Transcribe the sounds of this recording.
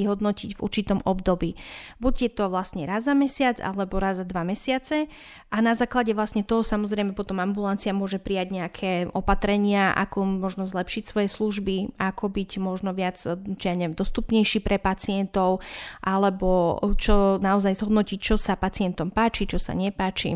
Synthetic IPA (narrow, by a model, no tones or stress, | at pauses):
ɦɔd̪nɔciɟvṵɾt͡ʃit̪ɔmʔɔbd̪ɔbiːbuɟjɛt̪ɔʋlasɲɛɾazːamɛsɪad͡za̰lɛbɔɾazad̪ʋamɛsɪat͡sɛ | ʔanazaːklaɟɛʋlasɲɛt̪ɔɦɔsamɔzɾɛjmɛpɔt̪ɔmambulant͡siamʊɔʒɛpɾijaɟɲɛakʰɛːʔɔpat̪ɾɛɲɪaʔa̰kɔmɔʒnɔzlɛpʃicsʋɔjɛsluʒbiʔakʰɔbiɟmɔʒnɔʋɪad͡zt͡ʃɛaɲɛɛmd̪ɔst̪upɲɛjʃiːpɾɛpat͡siɪɛnt̪ɔʊʔalɛbɔt͡ʃɔnaɔzajzɦɔd̪nɔcict͡ʃɔsapat͡sɪɛnt̪ɔmpaːt͡ʃit͡ʃɔsa̰ɲɛpaːt͡ʃḭ